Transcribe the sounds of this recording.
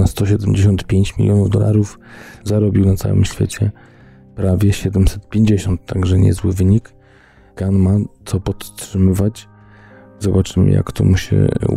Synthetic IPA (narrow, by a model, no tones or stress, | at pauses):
nast̪ɔɕ̬ɛd̪ɛmd͡ʑeɕɔnt̪pʲjeɲt͡ɕmʲḭlʲjɔnuvd̪ɔla̰ɾufzaɾɔbʲiwnat̪sa̰wɘ̰mɕfʲḛt͡ɕɛ | pɾavʲjɛɕɛd̪ɛmsɛt̪̚pʲjeɲd͡ʑeɕɔnt̪ːaɡʐɛɲɛ̰zwɘvɘɲik | kanmat̪sɔpɔt̪tʂɘmɘvat͡ɕ | zɔbat͡ʂɘmɘ̰ja̰kt̪ɔmuɕɛ̰